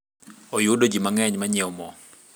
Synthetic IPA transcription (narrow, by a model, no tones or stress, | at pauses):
ɔjuɗɔd͡ʒimaŋɛɲmaɲɛɔmɔ